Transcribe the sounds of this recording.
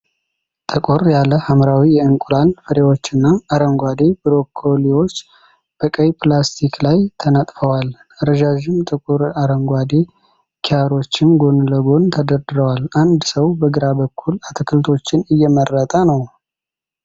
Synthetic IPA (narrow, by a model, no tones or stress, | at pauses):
t̪ʼəkʼoɾjaləhamɾawijɛɨŋkʼulanfəɾewo̞t͡ʃːɨnːaːɾəŋɡʷad̪e̞bɨɾo̞kʰoliwo̞t͡ʃː | b̥əkʼəjplast̪ʰikʰlajt̪ʰənət̪ʼfəwal | əɾəʒaʒɪmt̪ʼɨkʼʊɾaɾəŋɡʷad̪e̞ | kʰiaɾo̞t͡ʃːɪnɡo̞nləɡo̞nt̪ʰəd̪əɾd̪ɨɾəwaland̪səwbəɡɨɾabəkʰːulat̪ʰəkʰɨlt̪ʰo̞t͡ʃːɪnɨjːɛmərːət̪ʼanəw